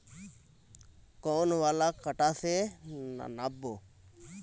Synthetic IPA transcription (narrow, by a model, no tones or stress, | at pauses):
koːnʋaːlaːkəʈaːsena̰naboː